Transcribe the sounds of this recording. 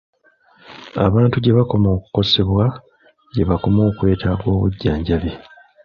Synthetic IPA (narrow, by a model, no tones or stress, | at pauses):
a̰βaːntuɟe̞βako̞mo̞ːku̥ko̞se̞βwa | ɟe̞βako̞mo̞ːkwe̞ːtaːɡwo̞ːβṵɟːaːɲɟaβje